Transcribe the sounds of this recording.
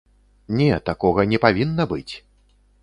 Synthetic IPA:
nʲɛt̪akɔɣɐnʲɛpavʲinːɐbɨt͡sʲ

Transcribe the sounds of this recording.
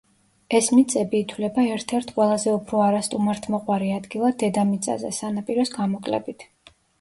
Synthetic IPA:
ɛsmit̪sʼɛbiːt̪ʰwlɛbaɛɾt̪ʰɛɾt̪ʰqʼwɛlˠazɛupʰɾɔaɾast̪ʼumaɾt̪ʰmɔqʼwaɾiad̪ɡilˠad̪ɛd̪amit̪sʼa̰zɛ̰sanapʼiɾɔsɡamɔkʼlɛ̰bit̪ʰ

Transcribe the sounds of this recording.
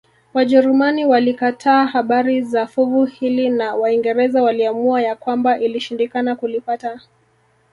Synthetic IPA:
waʄɛɾumaniwalikatʰaːhaɓaɾizafuvuhilinawaiŋɡɛɾɛzawaliamuajakwambaʔiliʃindikanakulipata

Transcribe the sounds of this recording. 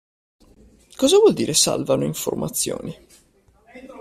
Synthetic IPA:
kɔːzavwɔld̪iːɾesa̰lvanoiɱfo̰rmʔat̪sːjoːni

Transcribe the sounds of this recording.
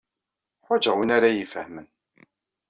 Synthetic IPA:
ħʊd͡ʒəʁwinaɾajifəhmən

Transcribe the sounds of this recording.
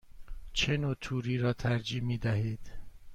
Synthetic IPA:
t͡ʃʰenoːt̪ʰuːɾiːɾɒːt̪ʰæɾd͡ʒiːmiːd̪æɦiːd̪̥

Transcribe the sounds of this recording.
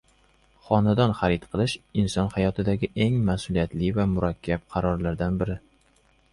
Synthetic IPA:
χɒnad̪ɒnχaɾɪt̪qʰɨlˠɪʃɪnsɒnhajɒt̪ʰɪd̪aɡʲɪʔe̞ŋmasʊlijat̪lɪvamʊɾakʲʰːap̚qʰɑɾɒɾlaɾd̪anbɪɾɪ

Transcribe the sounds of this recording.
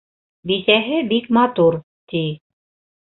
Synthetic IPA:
bisæɦɘbikmɑt̪uɾ | t̪i

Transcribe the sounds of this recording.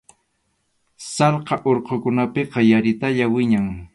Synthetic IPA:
sɑlqɑʔoɾqokʊnapeqɑjaɾɪt̪aʎawɪɲaŋ

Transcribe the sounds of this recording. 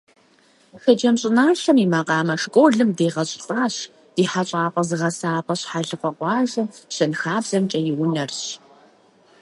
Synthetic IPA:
xɐd͡ʒɐmɕʼɪnaːɬɐmiːmaqɑːmɐʂkʷʼoːɮɨmdeːʁɐɕʼɬʼɑːɕ | d̥iːħaɕʼaːpʼɐzɨʁɐsaːpʼɐɕħaɮɨfʷʼɐqʷɑːʒɐɕɐnxaːbz̥ɐmt͡ʃʼɐjɪwʊnɐrɕ

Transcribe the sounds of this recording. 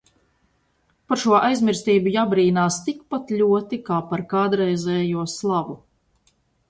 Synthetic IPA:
paɾʃuɔʔajzmiɾst̪iːbujaːbɾiːnaːst̪ikpat̪ʎʲuɔt̪ikaːpaɾkaːd̪ɾɛjzɛːjuɔslˠavu

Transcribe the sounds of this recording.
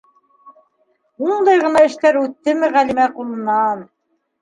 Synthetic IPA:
und̪ɑjʁɤ̆nɑɘ̆ʃt̪æɾʉt̪ːɘmɘʁælimæqulˠɤ̆nɑn

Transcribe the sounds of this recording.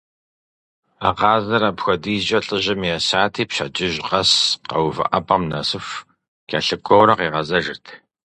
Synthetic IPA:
aqɑːzɐɾɐpxʷɔdiːʑʼɐɬʼɨʑɪmjɛsaːtʰiːpɕɐ̰d͡ʒɪʒqɐsqɐ̰wvɐ̰ʔɐpʼɐmnɐsɨf | kʰʲaːɬɨkʷʰɔwɾɐqiːʁɐzɐʒɨrtʰ

